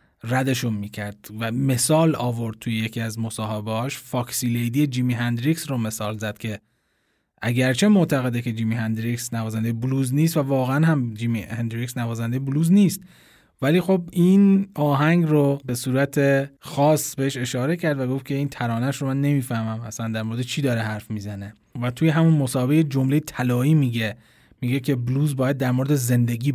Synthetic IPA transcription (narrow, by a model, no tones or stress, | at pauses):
ræd̪e̞ʃunmiːcʰæɾd̪̥væme̞sɒːlɒːvo̞ɾd̪̥̚t̪ʰujeje̞cʰiæzmo̞sɒːɦebeɒːʃfɒːkʰsiːlejd̪ijed͡ʒiːmiɦænd̪ɾiksrome̞sɒːlzæd̪̥cʰʲe̞ | ʔæɟæɾt͡ʃʰe̞moʔt̪ʰæɣe̞d̪eke̞d͡ʒiːmiɦænd̪ɾiksnævɒːzænd̪ejebuluːzniːs̬t̪vævɒːɣeænhæmd͡ʒiːmihend̪ɾiksnævɒːzænd̪ejebuluːzniːst̪ | væliːxo̞binɒːɦæŋɡrobe̞suːɾæt̪ʰe̞xɒːsbeeʃe̞ʃɒːɾe̞cʰæɾd̪væɡo̞ft̪kcʰe̞iːnt̪ʰæɾɒːnæʃɾomænːe̞miːfæhmæmæslænd̪æɾmo̞ɾed̪et͡ʃʰiːd̪ɒːɾehæɾfmiːzæne | væt̪ʰuːjeɦæmunmosɒːhebejed͡ʒo̞mlejet̪ʰælɒːiːmiːɟe | miːɡe̞kʰe̞bluːzbɒːjæd̪̚ːæɾmo̞ɾed̪eze̞nd̪e̞ɡiː